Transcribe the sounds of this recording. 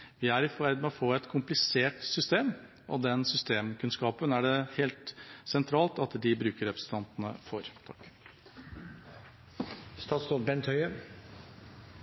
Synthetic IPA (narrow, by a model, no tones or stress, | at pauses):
ʋɪæɾɪfæɾd̪mɛɔfoːɛt̪kʰʊmplɪseːʈsʏst̪eːm | ʔɔ̰d̪ɛnsʏst̪eːmkʉnskɑːpənæɖɛheːlt̪sɛnt̪ʰɾɑːlt̪ɑt̪d̪ɪbɾʉːkəɾɛpɾəsə̥t̪ʰɑnt̪nə̰fɔɾt̪ʰɑk | st̪ɑːt̪st̪oːt̪bɛnt̪hœʏə